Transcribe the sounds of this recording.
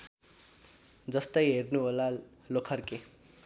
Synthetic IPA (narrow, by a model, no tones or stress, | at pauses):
d͡zʌst̪ʌjɦernuɦola | lokʰʌrke